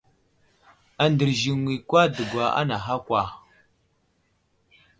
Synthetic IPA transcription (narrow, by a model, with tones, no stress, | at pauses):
a˨ndə˨ɾʒi˨ŋwi˨kʷa˦də˨ɡʷa˨a̰˦na˨ɦa˦kʷa˨